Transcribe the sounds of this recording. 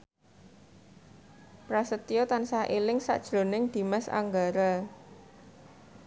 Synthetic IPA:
pɾasət̪ijɔt̪ansaʔelɪŋsa̰ʔd̥ʒ̥ɾo̤nɪŋd̪̥i̤mɛsa̰ŋɡaɾa

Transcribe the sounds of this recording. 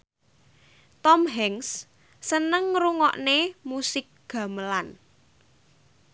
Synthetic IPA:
t̪ɔmɦɛŋs | sənəŋruŋɔ̰ʔnemusɪk̚ɡ̥ä̤məlan

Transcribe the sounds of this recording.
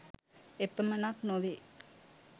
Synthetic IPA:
epːəmənaknoʋi

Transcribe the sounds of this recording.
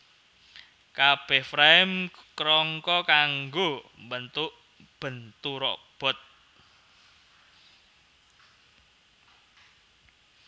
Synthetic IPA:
kab̥ɛhfɾaɪmkɾɔŋkɔkaŋɡombənt̪uʔ | b̥ənt̪uɾɔ̰ʔb̥ɔ̤t̪̚

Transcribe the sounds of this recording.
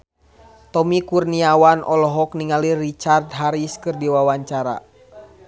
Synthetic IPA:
t̪ɔmikurniawanʔɔlɔɦɔkniŋalirit͡ʃard̪ɦaɾiskɨrdiwawaɲt͡ʃaɾa̰

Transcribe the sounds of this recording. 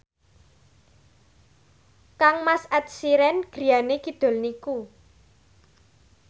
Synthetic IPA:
kaŋmasɛt̪̚siɾɛnɡ̥ɾi̤janekid̪̥o̤lniku

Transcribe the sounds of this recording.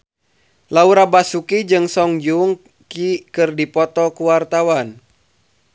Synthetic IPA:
lauɾabasukid͡ʒɨŋsɔŋd͡ʒuŋ | kikɨrdipɔt̪ɔkuwart̪awan

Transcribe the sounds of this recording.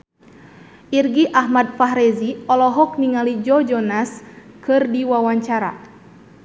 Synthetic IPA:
ʔirɡiʔahmad̪̚faɦɾɛziɔlɔɦɔk̚niŋalid͡ʒɔd͡ʒɔnaskɨrdiwawaɲt͡ʃaɾa̰

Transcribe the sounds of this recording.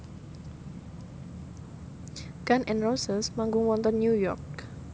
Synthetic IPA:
ɡ̥anʔɛnrɔsəsmaŋɡʊŋwɔnt̪ɔnːjujɔrk̚

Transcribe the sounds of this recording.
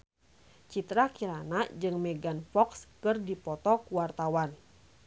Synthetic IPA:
t͡ʃit̪ɾakiɾanad͡ʒɨŋmɛɡanfɔkskɨrdipɔt̪ɔkuwart̪awan

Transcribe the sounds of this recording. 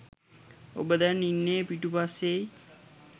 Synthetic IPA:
o̰bəd̪ænːinːeːpiʈupasːeji

